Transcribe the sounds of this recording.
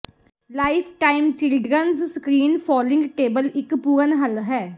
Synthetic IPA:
laːɪpʰʈaːɪmt͡ʃɪlɖɾənzskɾiːnpʰɔːlɪ̃ŋɡʈeːbəlɪkpuːɾənɦəlɦɛː

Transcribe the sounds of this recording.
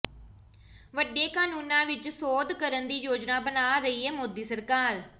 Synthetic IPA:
ʋəɖeːkaːnuːnãːʋɪt͡ʃsoːd̪kəɾənd̪iːjoːd͡ʒnaːbənaːɾəiːɛːmoːd̪iːsəɾkaːɾ

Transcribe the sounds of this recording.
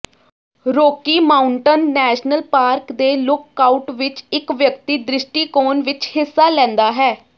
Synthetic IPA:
ɾoːkiːmaːʊɳʈənːɛːʃnəlpaːɾkd̪eːlʊkːaːʊʈʋɪt͡ʃɪkʋjək̚t̪iːd̪ɾɪʃʈiːkoːnʋɪt͡ʃhɪsːaːlɛ̃ːnd̪aːɦɛː

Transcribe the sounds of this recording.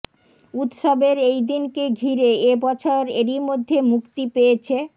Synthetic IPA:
ut̪ʃobeɾejd̪inkeɡʱiɾeebɔt͡ɕʰoɾeɾimod̪ʱːemukt̪ipejet͡ɕʰe

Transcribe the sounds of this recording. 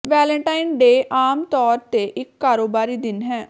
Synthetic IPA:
ʋɛːlə̃ɳʈaːinɖeːʔaːmt̪ɔːɾt̪eːʔɪkːaːɾoːbaːɾiːd̪ɪnɦɛː

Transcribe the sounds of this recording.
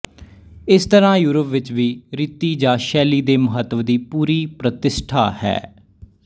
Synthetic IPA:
ɪst̪əɾãːjuːɾəpʋɪt͡ʃʋiːɾiːt̪ːiːd͡ʒãːʃɛːliːd̪eːməɦət̪ːʋd̪iːpuːɾiːpɾət̪ɪsʈʰaːhɛ̰ː

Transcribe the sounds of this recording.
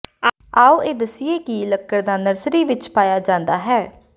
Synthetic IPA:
aːuːeːd̪əsieːkiləkːəɾd̪aːnəɾsɾiːʋɪt͡ʃpaːjaːd͡ʒãːnd̪aːɦɛː

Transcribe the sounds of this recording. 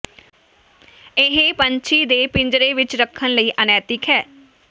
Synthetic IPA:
ɪɦẽpəɲt͡ʃʰiːd̪eːpɪɲd͡ʒɾeːʋɪt͡ʃɾəkʰːənləiːʔənɛːt̪ɪkɦɛː

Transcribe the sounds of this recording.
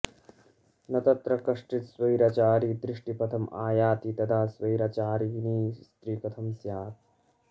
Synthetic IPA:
nɐt̪ɐt̪ɾɐkɐʂʈit̪sʋɐiɾaːt͡ʃaːɾiːd̪ɾɪʂʈipɐt̪ʰɐma̰ːjaːt̪iːt̪ɐd̪ʰʱaːsʋɐiɾaːt͡ʃaːɾiːniːst̪ɾiːpɐt̪ʰɐmsjaːt̪

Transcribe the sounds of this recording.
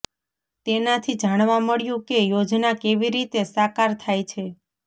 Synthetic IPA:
t̪enat̪ʰid͡ʒaɽ̃ʋaməɭjũkejod͡ʒnakeʋiɾit̪esakaɾt̪ʰajt͡ʃʰe

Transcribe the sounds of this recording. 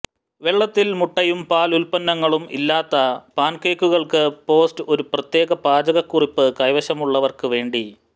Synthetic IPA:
ʋe̞ɭːɐt̪ːilmuʈːɐjumpaːlulpɐnːɐŋːɐɭumḭlːaːt̪ːɐpaːnkeːkːuɣɐɭkɨpo̞ːstɨo̞ɾuprɐt̪je̞ːɣɐpaːd͡ʑɐɣɐkːuripːɨkɐjʋɐɕɐmuɭːɐʋɐrkɨʋe̞ːɳɖi

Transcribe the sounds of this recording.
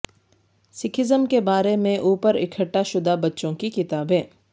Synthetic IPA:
sɪkʰɪzəmkebaːɾemẽʔuːpəɾɪkʰəʈːaʃʊd̪abɐtːʃõkikɪt̪aːbẽː

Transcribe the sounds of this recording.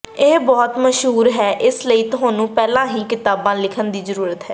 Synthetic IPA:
eːbɔːt̪məʃɦuːɾɦɛːʔɪsləiːt̪ʊɦãːnũːpɛːlãːɦiːkɪt̪aːbãːlɪkʰənd̪iːzəɾuːɾət̪ɦɛː

